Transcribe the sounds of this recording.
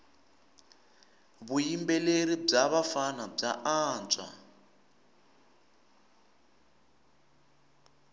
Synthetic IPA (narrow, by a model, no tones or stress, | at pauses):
βujimbɛleɾib͡ʐaβafanab͡ʐaʔaːnt͡sʼa̰